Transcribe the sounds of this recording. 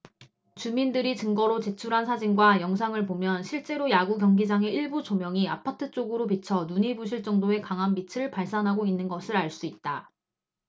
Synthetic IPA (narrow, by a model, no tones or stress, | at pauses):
t͡ɕumindɯɾit͡ɕɯŋɡʌɾot͡ɕe̞t͡ɕʰuɾɦansʰad͡ʑinɡwajʌŋs̬ʰaŋɯɭpomjʌnɕʰiɭt͡ɕ͈e̞ɾojaɡuɡjʌŋɡid͡ʑaŋe̞iɭbut͡ɕomjʌŋia̰pʰatʰɯt͡ɕ͈oɡɯɾopit͡ɕʰʌnuɲibuɕ̬ʰiɭt͡ɕ͈ʌŋdoe̞kaŋɦanbit͡ɕʰɯɾɯɭpaɭs͈anɦaɡoinːɯnɡʌsʰɯɾaɭs͈uit̚t͈a